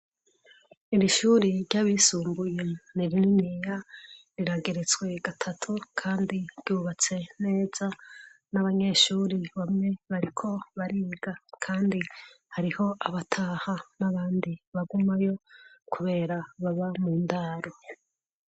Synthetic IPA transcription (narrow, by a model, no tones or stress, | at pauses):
iɾiʃuːɾiɾɟaβisuːmbuje̞niɾininijaɾiɾaɡe̞ɾet͡swe̞ɡatʰatʰukʰaːndiɾɟuːβat͡se̞ne̞ːz̥a | naβaɲe̞ʃuːɾiβamŋe̞βaɾikʰo̞βaɾiːɡakʰaːndihaɾiho̞ʔaβatʰahanaβaːndiβaɡumajo̞kʰuβe̞ːɾaβaβamuːndaːɾo̞